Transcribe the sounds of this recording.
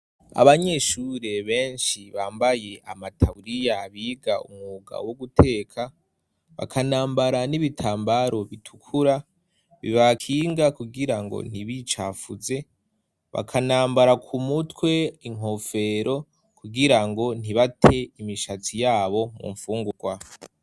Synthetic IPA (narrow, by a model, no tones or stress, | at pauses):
a̰βaɲe̞ʃuɾe̞βe̞ːnʃiβaːmbaje̞ʔa̰matʰauɾijaβiːɡaṵmŋuːɡa̰woɡutʰe̞ːkʰa | βa̰kʰanaːmbaɾaniβitʰaːmbaɾo̞βitʰu̥kʰuɾa | βḭβakʰiːŋɡakuɡiɾaŋɡo̞̰n̥iβit͡ʃa̰fuze̞ | βa̰kʰanaːmbaɾakʰumutwe̞iŋo̞fe̞ɾʔo̞ | kuɡiɾaŋɡo̞n̥iβatʰe̞imiʃat͡sijaːβo̞mṵɱfuːŋɡuɡ̥wa